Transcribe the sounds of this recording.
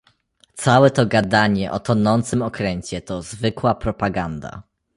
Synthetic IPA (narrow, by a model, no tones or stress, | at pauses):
t̪sawɛt̪ɔɡad̪aɲɛʔɔt̪ɔnɔnt̪sɘmɔkɾɛɲt͡ɕɛt̪ɔzvɘkwapɾɔpaɡand̪a̰